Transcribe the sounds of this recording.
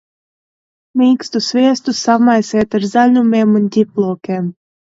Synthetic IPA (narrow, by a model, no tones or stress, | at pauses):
mikst̪usviɛst̪usɑmɑjset̪ərzalʲnumemɨnt̪ʲiplˠokem